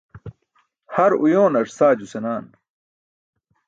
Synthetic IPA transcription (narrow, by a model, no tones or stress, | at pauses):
hɐɾujoːnɐɾsaːd͡ʑusenaːn